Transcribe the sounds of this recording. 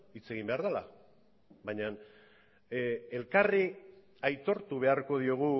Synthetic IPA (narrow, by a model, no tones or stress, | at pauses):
it͡se̞ɣ̞imbe̞aɾðala̰ | βajɲan | e̞lkari | ajt̪o̞ɾt̪uβ̞e̞aɾko̞ð̞io̞ɣ̞u